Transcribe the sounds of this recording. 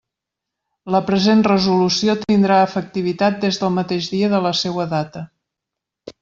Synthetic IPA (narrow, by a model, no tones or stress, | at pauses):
ləpɾəzenrəzulusiot̪ind̪ɾaəfək̚t̪iβ̞it̪at̪̚d̪ezðəlˠmət̪eʒðiəðələsewəðat̪ə